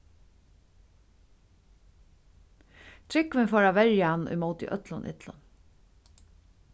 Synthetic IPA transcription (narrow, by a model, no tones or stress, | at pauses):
t̪ʰɾɪkʋɪnfɔːɾaʋɛɹjanʊ̰jmowt̪ɪ̰ʔœ̰t̪lʊnʔɪ̰t̪lʊ̰n